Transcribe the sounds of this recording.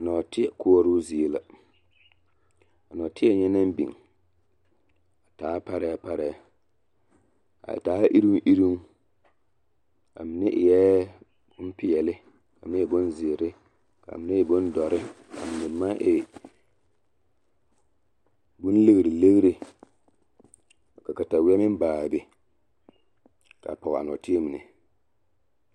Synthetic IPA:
a˨nɔː˨tɪ˦ɛ˨kʊ˦ɔ˦ɾʊ˦zi˨˦la˨ | a˨nɔ˨tɪ˦ɛ˦ɲɛ˦na˦m˦bḭ˨ŋ | a˨taː˨˦pa˦ɾɛː˦pa˦ɾɛː˦ | a̰˨taː˨˦ʔi˦ɾi˦ʔi˦ɾi˦ŋ˦ | a̰˨mɪ˨nɪ˦ʔjɛ˦ | bʊ˦n˦pɪ˨ɛ˨lɪ˦ | ka˨mɪ˦ɛ˨bʊ˦nzɪ˨e˨ɾɪ˦ | ka̰˨mɪ˨nɪ˦ɪ˨bʊ˦ndɔ˨ɾɪ˦ | ka̰˨mi˨nɪ˨˦ma˦ʔɪ˨ | bʊ˦n˦le˦ɣɾi˨le˦ɣɾi˨ | ka˨ka˨ta˨wɪ˦ɛ˦mɪ˦n˦baː˨be˦ | ka̰˨pɔ˨ɣa̰˨n˨ɔ̰˨ti˦e˦m˨nɪ̰˨

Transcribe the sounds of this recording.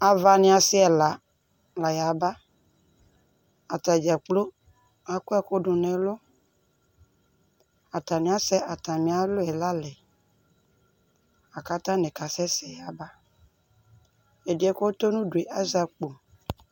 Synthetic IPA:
a˨va˨nɪ̃˦a˨sɪ˦ɛ˨la˨ | la˨ja˨ba˦ | a˨t̪a˨d͡ʒa˨k͡plo˦ | a˨kʊ˦ɛ˦kʊ˦ɖʊ˨nɛ̃˨lʊ˦ | a˨t̪a˨nɪ̃˨˦a˦sɛ˦ʔa˨t̪a˨mĩ˨a˦lʊ˦ɛ˨la˦lɛ˨ | a˨ka˦t̪ã˦nɛ̃˨ka˨sɛ˦sɛ˨ja˨ba˦ | e˨di˨˦ɛ˨˦ko˦t̪o˦nũ˦du˨e˨ʔa˦za˨k͡po˨

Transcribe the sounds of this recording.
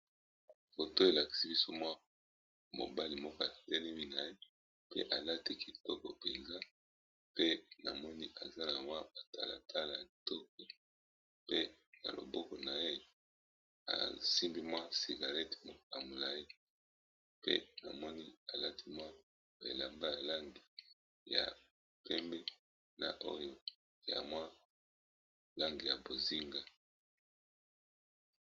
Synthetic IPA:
fo˨to˦e˨la˨ki̥˨si˦bi˦so˦mwa˦ | mo̰˨ba˦li˨mɔ˦kɔ˦a˨tɛ˦le˦mi˦na˨je˦ | pḛ˦ʔa̰˨la˦ti˦ki˨tɔ˦kɔ˨pe˨nza˦ | pe˦na˨mɔ˦ni˦ʔa˨za˦na˨mwa˦ba˨ta˦la̰˨tʰa˦la˨ja˨tɔ˦k̚ɔ˨ | pe˦na̰˨lo̰˨bɔ˦kɔ˨na˨je˦ | a̰˨si˦mbi˦mwa˦si˨ɡa˨lɛ˦ti̥˨mo˨a˨mo˨la˨i˦ | pḛ˦na˨mɔ˦ni˦a˨la˦tʰi˦mwa˦ | bḛ˨la˨mba˦ja˨la˦ŋɡi˨ | ja̰˨ | pɛ˦mbɛ˦ | na̰˨ʔo˦jo˦ | ja̰˨mwa˦ | la˦ŋɡi˨ja˨bo˨zi˦ŋɡa˨

